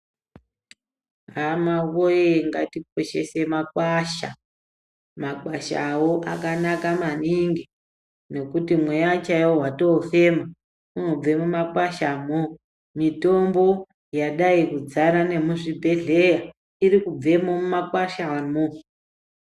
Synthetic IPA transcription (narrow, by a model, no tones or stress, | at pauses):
ɦamawojeŋɡatik̚o̞ʃe̞se̞mak̚waʃa̰ | makwaʃa̰woʔakanakamaniŋɡi | no̞kutimwejat͡ʃajwoɦwato̞fe̞ma | unob͡ve̞mumakwaʃamo | mito̞mbo̞ | jaɗaikud͡zanane̞muʐibʱe̞ɮe̞ja | iɾikub͡ve̞momumakwaʃamo